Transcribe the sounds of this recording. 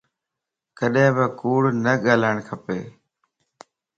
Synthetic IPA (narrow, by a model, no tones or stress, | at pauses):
kəɗɦɪ̃ːbəkuːɽnəɠaːlaːɪɳ̃kʰəpeː